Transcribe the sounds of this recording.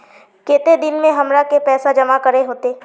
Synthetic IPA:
keːt̪ed̪ɪnmẽɦɐmɾakepɛːsad͡ʒɐmakəɾeɦoːt̪eː

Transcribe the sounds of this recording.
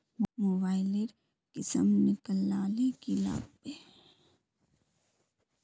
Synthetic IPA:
mmoːbaːɪleɖ | kɪsə̰mnɪkəlːaːlikila̰ːb̚be

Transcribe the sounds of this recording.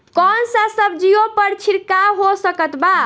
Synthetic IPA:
kɔnsə̃səbd͡ʒijopəɾt͡ʃʰiɾkaɦosəkət̪ba

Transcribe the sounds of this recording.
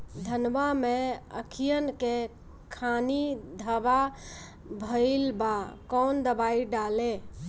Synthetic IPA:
d̪ʱənʋameə̰kʰijənke | kʰanid̪ʱəba | bʱəɪlbakɔnd̪əbaiɖale

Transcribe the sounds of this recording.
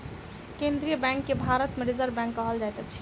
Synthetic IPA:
kend̪ɾijəbɛ̃ŋkːebʱaɾət̪meɾizəɾbɛ̃ŋkːəɦəld͡ʒajt̪ət͡ʃʰi̥

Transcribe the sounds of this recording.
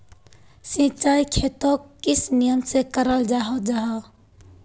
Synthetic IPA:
sĩːt͡ʃaːikʰeːt̪õːkɪsnijəmsekəɾəld͡ʒaːɦod͡ʒaɦa

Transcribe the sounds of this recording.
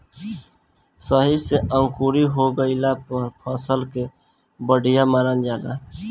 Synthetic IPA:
səɦiseʔə̃ŋkuːɾiɦoɡəɪlapəɾpʰəsəlke | bəɽʱijamaːɾand͡ʒaːla̰

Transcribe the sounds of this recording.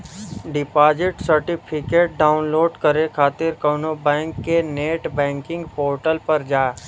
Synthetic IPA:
ɖɪpaːd͡ʒɪʈsəɾʈɪpʰɪkeːʈ̚ɖaːʊnloːɖkəɾekʰaːt̪ɪɾkəːnobɛ̃ːŋkːeneːʈbɛ̃ːŋkɪ̃ŋɡpoːɾʈəlpəɾd͡ʒaː

